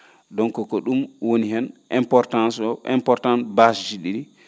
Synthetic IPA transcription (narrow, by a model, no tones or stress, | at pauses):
dɔŋkɔkɔɗumwoniɦɛnʔɛmpɔɾtansɔʔɛ̰mpɔɾtãnbasd͡ʒiɗiɾi